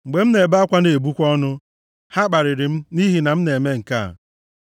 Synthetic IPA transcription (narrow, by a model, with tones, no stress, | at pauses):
ŋ͡m̩˨ɡ͡be˨m̩˦ne˨ba˦a˦kʷa˦ne˨bu˦kʷɔ˦nʊ˦ | ha˦k͡pa˨ɾɪ˨ɾɪ˨m̩˦ni˦ɦi˨na˨m̩˦ne˨me˦ŋ̩˨ka̰˦˨